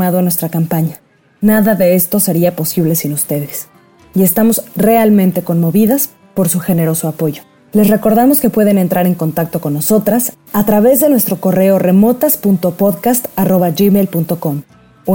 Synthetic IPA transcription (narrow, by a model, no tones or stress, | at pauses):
aðoanwe̞st̪ɾakampaɲa | naðaðe̞est̪o̞se̞ɾiapo̞siβ̞le̞sinust̪e̞ðe̞s | ie̞st̪amo̞zre̞almẽnt̪e̞ko̞nmo̞βiðas | po̞ɾsuxe̞ne̞ɾo̞so̞apo̞ʝo̞̥ | le̞sre̞ko̞ɾðamo̞ske̞pwe̞ð̞e̞nent̪ɾʔaɾe̞ŋko̞nt̪ak̚t̪o̞ko̞nːo̞so̞t̪ɾas | at̪ɾaβe̞zðe̞nwe̞st̪ɾo̞ko̞re̞o̞re̞mo̞t̪aspunt̪o̞po̞ðkast̪aro̞βaʝimejlpunt̪o̞ko̞m